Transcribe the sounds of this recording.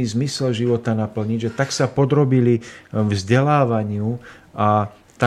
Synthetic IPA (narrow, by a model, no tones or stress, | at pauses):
iːzmisɛlʒiʋɔt̪anapl̩ɲiɟʒɛt̪aksapɔd̪ɾɔbilivzɟɛlaːʋaɲɪuʔa | t̪a